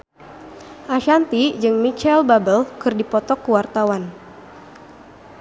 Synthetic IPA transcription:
ʔaʃant̪id͡ʒɨŋmit͡ʃɛlbabəlkɨrdipɔt̪ɔkəwart̪awan

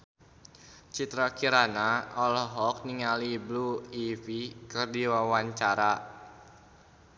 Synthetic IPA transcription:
t͡ʃit̪ɾakiɾanaɔlɔɦɔk̚niŋalibluifikɨrdiwawaɲt͡ʃaɾa

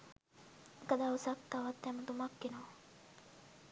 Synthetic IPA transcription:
ekəd̪aːusak̚t̪aʋat̪ːɛmət̪umakːenoː

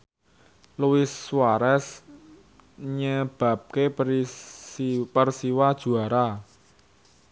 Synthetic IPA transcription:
luwɪswaɾɛs | ɲəb̥a̤p̚ke | pərsiwad̥ʒ̥ṳaɾa

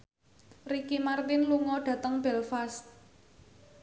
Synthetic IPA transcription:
rikimart̪ɪnluŋɔɖ̥ä̤t̪əŋb̥ɛlfast̪̚

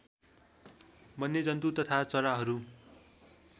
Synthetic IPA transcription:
mʌnjʌd͡zʌnt̪ut̪ʌt̪ʰat͡sʌɾaɦʌɾu

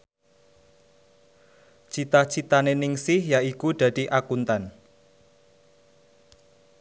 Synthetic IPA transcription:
t͡ʃit̪aht͡ʃit̪anenɪŋsɪhjaikud̪̥a̤d̪̥i̤ʔakunt̪an

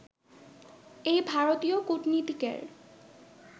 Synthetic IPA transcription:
ejbʱaɾot̪iokuʈnit̪ikḛɾ

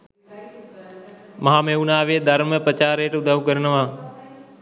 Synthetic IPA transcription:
məɦãːmẽːuːnaːʋeːd̪əɾməpət͡ʃaːɾeːʈʊd̪ʱaːʋũːkəɾənəʋãː

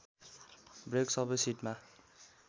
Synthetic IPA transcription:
breksʌbʌjsiʈma

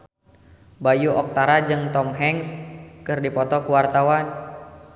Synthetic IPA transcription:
bajuʔɔk̚t̪aɾad͡ʒɨŋt̪ɔmɦɛŋskɨrdipɔt̪ɔkuwart̪awan

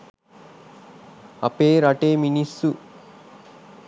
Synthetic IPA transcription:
ɐ̰peːɾaʈeːminisːu

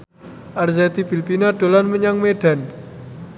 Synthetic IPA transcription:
ʔarzat̪ibilpinaɖ̥o̤lanməɲaŋmeɖ̥a̤n

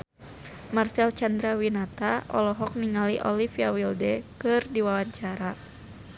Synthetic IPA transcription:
marsɛlt͡ʃand̪ɾawinat̪aɔ̰lɔɦɔk̚niŋaliʔɔlifiawildɛkɨrdiwawaɲt͡ʃaɾa

